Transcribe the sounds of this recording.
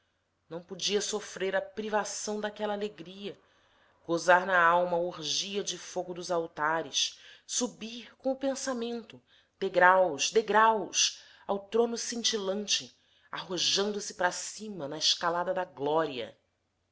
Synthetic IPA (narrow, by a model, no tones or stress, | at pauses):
nɐ̃w̃pod͡ʒiɐsofɾeɾɐpɾivasɐ̃w̃d̪akɛlɐaleɡɾiɐ | ɡ̥ozaɾnɐawmɐuɾʒiɐd͡ʒɪfoɡʊd̪ʊzawt̪aɾɪssubiɾkõw̃ʊpẽsamẽnt̪ʊ | d̪̥eɡɾawʃd̪eɡɾaws | awt̪ɾõnʊsĩnt͡ʃilɐ̃nt͡ʃɪ | a̰ɦoʒɐ̃nd̪ʊsɪ̥pɾɐsĩmɐnɐɪʃkalad̪ɐd̪ɐɡlɔɾiɐ̰